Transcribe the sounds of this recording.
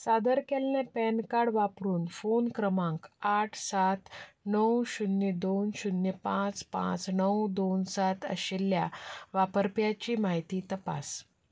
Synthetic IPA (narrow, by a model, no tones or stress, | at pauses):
sad̪əɾkɛlnɛ̃pɛnkaɽʋapɾuːnfonkɾəmãŋkaʈʰsat̪nəwɕunjəd̪onɕunːjəpãt͡spã̰t͡snəwd̪onsat̪ʰə̰ɕelːjaʋapəɾpjat͡ɕiːmaɦit̪iːt̪əpa̰s